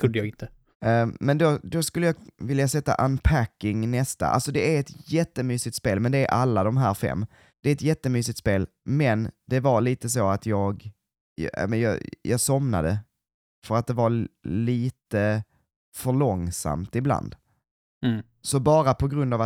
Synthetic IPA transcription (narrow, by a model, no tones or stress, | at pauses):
kʰɵd̪əjɑɡɪnt̪ʰə | mɛnd̪ɔd̪ɔskɵlːəjɑːvɪljasɛt̪ːa̰ʔanpʰækːɪŋnɛst̪a̰ʔa̰lsɔd̪ɛæɾɛt̪jɛt̪ːəmyːsɪk̚t̪speːlmɛnd̪ɛæɾʔalːad̪ɔmɦæːɾfɛ̰mː | d̪̥ɛɛt̪jɛt̪ːəmyːs̬ɪk̚t̪speːl | mɛnd̪̥ɛvaɾɭiːt̪əs̬oat̪ʰjɑːɡ | a̰mɛnjɑ̰ːjʔɑːɡsɔmna̰d̪ə̰ | fœɾat̪̚d̪ɛvaliːt̪ə | fœɭɔŋsa̰mt̪ɪbla̰nd̪̥ | sɔbɑːɾapʰɔɡɾɵnd̪ava